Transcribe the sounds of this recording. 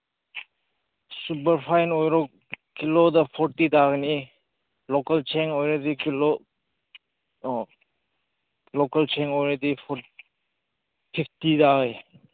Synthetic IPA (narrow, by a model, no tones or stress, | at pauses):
supɐɾpʰajnojɾɔk | kilodɐpʰɔɾtidaɡni | lɔkɐlt͡ʃʰeŋɔjɾedikilo | lɔkɐlt͡ʃʰeŋɔjɾedipʰɔ | pʰiptidaɡe